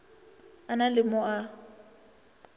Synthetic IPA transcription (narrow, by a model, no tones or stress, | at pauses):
analɪmɔa